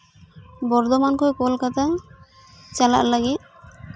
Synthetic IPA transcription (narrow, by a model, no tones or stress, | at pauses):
bɔɾd̪omankoekolkat̪a | t͡ɕala̰ɾlaɡe